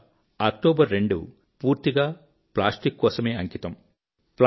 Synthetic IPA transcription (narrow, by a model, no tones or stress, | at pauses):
ɐk̚ʈoːbɐɾːe̞ɳɖṵ | puːɾt̪iɡaː | plaːsʈikːɔːsɐme̞ːɐŋkit̪ɐm | pl